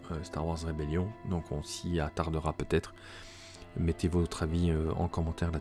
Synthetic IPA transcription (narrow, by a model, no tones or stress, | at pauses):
øst̪aʁwaʁzʁebeljɔ̃d̪ɔ̃kʰɔ̃siat̪aʁd̪əʁapøt̪ɛt̪χ | mɛt̪evɔt̪χaviøɑ̰̃kɔmɑ̃t̪ɛʁla